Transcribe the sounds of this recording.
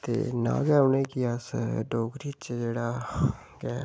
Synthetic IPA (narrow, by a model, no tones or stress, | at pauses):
t̪ḛːnã̰ːɡɛːʊneːkiəsɖoːɡɾiːt͡ʃd͡ʒeːɽaː | ɡɛː